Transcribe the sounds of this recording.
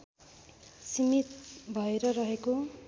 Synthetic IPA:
simit̪̚bʱʌeɾʌɾʌɦeko

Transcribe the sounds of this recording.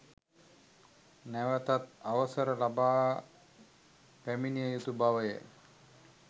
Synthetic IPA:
næʋət̪at̪̚aʋəsəɾəlabaː | pæminijəjut̪ubaʋəjə̰

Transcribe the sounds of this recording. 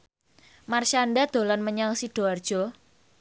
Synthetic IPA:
marʃandad̪̥o̤lanməɲaŋsiɖ̥o̤ard̥ʒ̥ɔ̤

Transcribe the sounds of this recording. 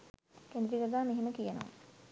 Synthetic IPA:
kend̪ɾikəɡaːmeɦeməkijəno̰ʋə̰

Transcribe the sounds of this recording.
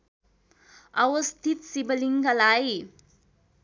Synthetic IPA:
ʌwʌst̪ʰit̪sibəliŋkalaj

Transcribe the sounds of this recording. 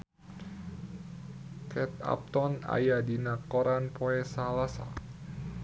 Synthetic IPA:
kɛt̪̚a̰p̚t̪ɔna̰jadinakɔɾʔanpoesalasa̰

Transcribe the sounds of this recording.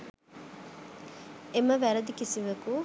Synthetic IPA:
emɐʋæɾɐd̪ikisiʋɐku

